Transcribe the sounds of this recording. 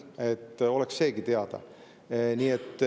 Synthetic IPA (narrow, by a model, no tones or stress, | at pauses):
e̞t̪ːo̞leksːe̞ːɡit̪eɑd̪̥ɑ̰ | nʲiːet̪ː